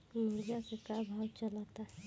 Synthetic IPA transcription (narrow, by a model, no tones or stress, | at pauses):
mud͡ʒakekabʱawt͡ʃəlat̪aɦɛ